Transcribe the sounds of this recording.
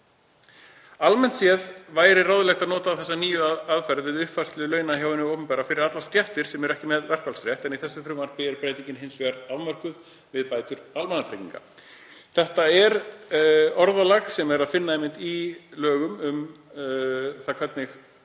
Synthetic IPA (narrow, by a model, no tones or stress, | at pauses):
almɛnt̪sjɛðvaːjɾɪraːwðʏlɛxt̪aðnɔːt̪aːθɛsːaniːjʏaaðfɛɾðvɪðʏhpvar̥st̪lʏlœːɥnaçjawvɪnʏoːwpʏnpɛːɾafɪɾɪɾat̪last̪jɛft̪ɪɾ̥sɛmɛɾɛhcɪmɛðvɛr̥kvalsɾjɛht̪ɛniθɛsːʏfɾʏmvaɾpɪɛɾpɾeːjt̪ĩŋɲcɪnɦejnsvɛaɾaðmœr̥kʏð | vɪðpaːjt̪ʏɾalmanafɾejcḭŋka̰ | θɛht̪aɛɾ | ɔɾðalaxsɛmɛɾaðfɪnːaɛjmːɪnt̪ilœːɣʏmʏm | θakʰvɛt̪nɪx